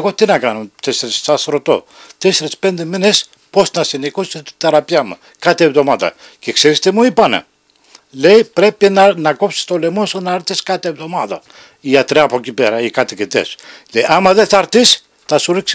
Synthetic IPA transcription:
ɣot̪inɐkɐnont̪eseɾisːɐsɾot̪o̞̰ | t̪eseɾispe̞nd̪emines | po̞snɐsinikusit̪i̥θeɾɐpiɐmṵ | kɐt̪ievðo̞mɐt̪ɐ̰cekseɾist̪emuipɐnḛ | lejpɾe̞pinɐnɐkopsi̥st̪olemonsonɐɾt̪iskɐt̪eevðo̞mɐðɐ | iɐt̪ɾiɐpocipeɾɐikɐt̪iket̪ḛslejʔɐmɐðeθɐɾt̪is | θɐsuɾiks

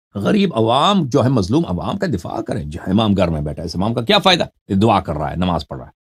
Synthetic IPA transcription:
ɣɐɾiːbɐʋaːmd͡ʒoːɦɛmɐzluːmɐ̰ʋa̰ːmkad̪ɪfa̰ːkɐɾḛ̃d͡ʒɪmaːmɡʱɐɾmẽbɛːʈʰaɪsɪmaːmkakjaːfaːɪd̪a | d̪ʊaːkɐɾːa̰ːɦɛ̰ːnɐma̰ːzpɐ̰ɽɾa̰ɦɛː

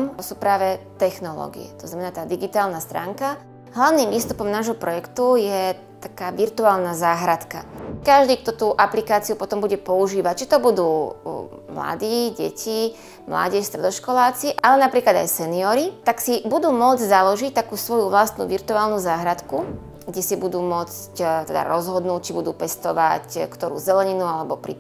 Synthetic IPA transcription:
msuːpɾaːʋɛt̪ɛxnɔlɔ̰ɡḭɛ̰t̪ɔznamɛnaːt̪aːd̪iɡit̪aːlnast̪ɾa̰ːŋka | ɦlaʊniːmʋiːst̪upɔmnaːʒɦɔpɾɔjɛkt̪ujɛ | t̪akaːʋiɾt̪uaːlnazaːɦɾat̪ka̰kaʒd̪iːk̚t̪ɔt̪uːʔaplikaːt͡siupɔt̪ɔmbuɟɛpɔuʒiːʋact͡ʃi̥t̪ɔbud̪uː | mla̰d̪iːɟɛ̰cʰi | mla̰ɟɛʃst̪ɾɛd̪ɔʃkɔlaːt͡siʔalɛnapɾiːklad̪a̰jsɛniɔɾit̪aksibud̪uːmʊɔd͡zɟzalɔʒic̚t̪akuːsʋɔjuʋlast̪nṵːʋiɾt̪uaːlnuzaːɦɾat̪ku | ɡɟɛsibud̪uːmʊɔt͡s | ct̪ɛd̪a̰ɾɔzɦɔd̪nuːc̚t͡ʃibud̪uːpɛst̪ɔʋa̰ckt̪ɔɾṵːzɛlɛɲinualɛbɔpɾḭ

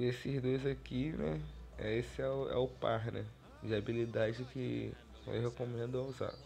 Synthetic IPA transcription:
esɪzd̪ojzakinɛɛ̰esɪɛʊɛ̰ʊpaɾnɛ | d͡ʒɪabilid̪ad͡ʒɪkɪ | o̰ɦekomẽnd̪ʊauza̰

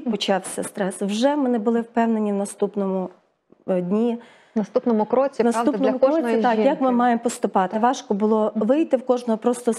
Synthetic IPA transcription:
pɔt͡ʃɑwsʲɐ̰st̪ɾɛswʒɛmɪnebʊlˠɪwpɛwnenʲiwnɐst̪upnɔmʊ | dʲnʲi | nɐst̪upnɔmʊkɾɔt͡sʲinɐsunɔmʊkɔɔit̪ɑkjɐkmɪmɑjempɔst̪ʊpɑt̪ɪʋɑʃkɔbʊlˠɔʋɪjt̪ɪwkɔʒnɔɦɔpɾɔst̪ɔ

